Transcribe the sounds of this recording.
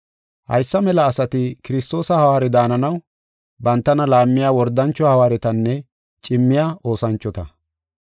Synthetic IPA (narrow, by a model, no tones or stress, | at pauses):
hɐ̰jsːɐmɛlɐːsɐt̪ɪkɪɾɪst̪o̞ːsɐhɐwaːɾɛd̪aːnɐnɐw | bɐnt̪ːɐnɐlaːmːɪjaːwɔɾd̪ɐnt͡ʃːɔhɐwaːɾɛt̪ɐnːɛ | t͡ʃʼɪmːɪjaːʔo̞ːsɐnt͡ʃːɔt̪ɐ